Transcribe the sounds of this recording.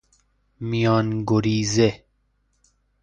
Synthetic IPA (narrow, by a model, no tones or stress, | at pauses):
mijɒːnɡoɾiːze